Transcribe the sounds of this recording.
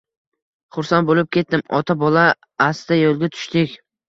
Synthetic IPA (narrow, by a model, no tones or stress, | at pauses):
χʊɾsanbolɪp̚kʲʰe̞t̪̚ːɪmɒt̪ʰabɒlaː | sd̪ajolˠɡʲat̪ʰʊ̥ʃt̪ɪkʲ